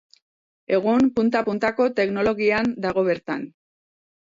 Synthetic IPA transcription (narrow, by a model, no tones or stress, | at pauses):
e̞ɣ̞umpunt̪apunt̪ako̞t̪e̞kno̞lo̞ɣiand̪aɣ̞o̞βe̞ɾt̪a̰n